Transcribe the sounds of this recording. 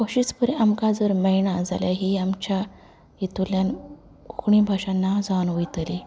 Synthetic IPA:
koɕit͡spəɾeʔamkad͡zəɾməjɳad͡za̰ljaɦiamt͡ɕa | it̪uljan | kukɳĩbʱaɕãnːad͡zanʋəjt̪əli

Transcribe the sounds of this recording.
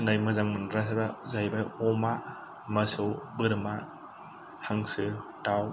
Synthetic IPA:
najmɯzaŋmɯnɾasabazajbaɔma | mɐsɯwbɯɾma | haŋsɯtaw

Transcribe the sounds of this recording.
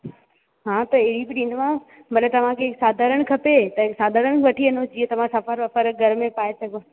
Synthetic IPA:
ɦãt̪ɐɪɦɽibɪɗĩnd̪mã | bɐɗẽt̪ɐʋ̤ãkʰeɪksaːd̪ʱaɾəɽ̃kʰɐpet̪ɐksaːd̪ʱaɾəɽ̃ʋɐʈʰiɐnõd͡ʑiə̃t̪ɐʋ̤ãsɐfəɾɐfəɾɡʱɐɾmẽpaːesɐɡo

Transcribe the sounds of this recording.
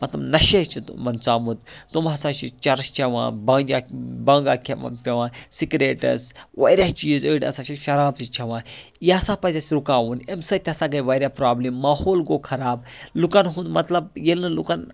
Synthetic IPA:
mɐt̪lɐbnɐʃet͡ʃʰit̪mɐnt͡saːmut̪t̪umɦɐsãːt͡ʃʰit͡ʃɐɾst͡ʃʰɐʋã̰ːbɐ̃ːd͡ʒabɐ̃ːŋɡaːkʰʲa̰pʲɐʋãːsikɾeːʈɐ̰sʋɐ̰ːɾʲjaːt͡ʃiːzəːɖɐ̰sãːt͡ʃʰiʃɐɾaːbzit͡ʃʰɐʋãː | jeɐsãːpɐzʲaːsʲɾukaːʋunemsɐt̪ʲɐsãːɡɐjʋɐːɾʲjaːpɾaːbliːmːaːhoːlɡoːkʰɐɾaːb̚lukɐnɦũnd̪mɐt̪lɐb̚jelnɨlukɐn

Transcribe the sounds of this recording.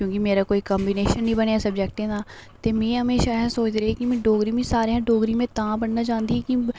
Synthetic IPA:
kjõːkimeːɾaːkoːiːkəmbineːʃənĩːbəneːasəbd͡ʒɛːk̚ʈẽːd̪aː | t̪eːmɛ̃ːɦəmeːʃaːɦɛ̃soːt͡ʃɾeɛkɪmɛ̃ːɖoːɡɾĩːmẽːsaːɾejãːɖoːɡɾĩːmẽːt̪ãːbəɳnaːt͡ʃãːnd̪iːɦɛki

